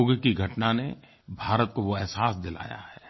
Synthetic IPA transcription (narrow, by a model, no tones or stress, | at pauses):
oːɡkiɡʱɐʈnane | bʱaːɾət̪̚koʋoɛɦsaːsd̪ɪla̰ːja̰ɦɛː